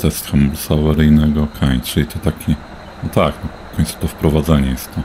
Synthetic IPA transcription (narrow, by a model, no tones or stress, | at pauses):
t̪ɛst̪xambulusavɛɾɘjnɛɡɔkʰaɲt͡ʂɨlʲit̪ʰɔt̪akʲi | ɔt̪aknɔfkɔ̃ɲ̃t̪su̥t̪ɔfpɾɔvad̪zaɲɛjɛst̪ːɔ